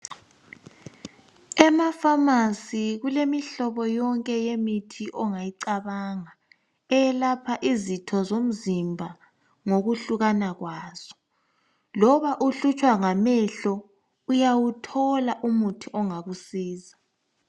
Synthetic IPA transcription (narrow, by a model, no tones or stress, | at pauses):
ɛmafamasiɣulemiɬɔβɔjɔŋkʼɛjemitʰiʔɔŋajiǀaβaŋa | ɛjɛlapʰaʔizitʰɔzom̩zimbʱa | ŋoɣuɬuɣanaɣwaːz̥ɔ̥ | lɔβaʔuɬut͡ʃʼwaŋamɛɬɔ | ujawutʰɔlaʔumutʰiʔɔŋaɣusiːza